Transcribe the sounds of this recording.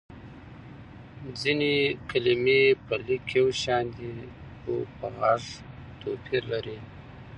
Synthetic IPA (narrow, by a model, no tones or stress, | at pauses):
d͡zinekalimepəlikʰewʃɑnd̪i | o̰pəɣaʐ | t̪opʰiɾlaɾi